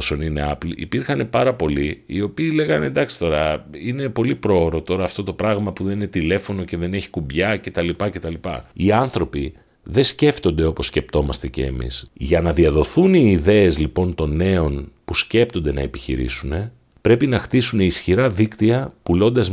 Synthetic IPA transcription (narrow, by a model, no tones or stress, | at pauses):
so̞nine̞ɐpliʔḭpiɾxɐne̞pɐɾɐpo̞liio̞piːle̞ɣɐnend̪ɐksi̥t̪o̞ɾɐine̞po̞lipɾo̞oɾo̞t̪o̞ɾɐːft̪o̞t̪o̞pɾɐɣmɐpuðe̞nine̞t̪ile̞fo̞no̞ce̞ðe̞neçi̥kumbʝɐce̞t̪ɐlipɐce̞t̪ɐlipɐ̰iɐnθɾo̞pi | ðe̞sce̞ft̪o̞nd̪e̞o̞po̞sːce̞p̚t̪o̞mɐst̪e̞ce̞̰ːmḭsʝɐnɐðiɐðo̞θuniːðe̞ezlipo̞nt̪o̞ne̞o̞npusce̞pt̪o̞nd̪e̞nɐ̰epiçḭɾḭsune̞ | pɾe̞pinɐxt̪isune̞isçiɾɐðikt̪iɐpulo̞nd̪ɐz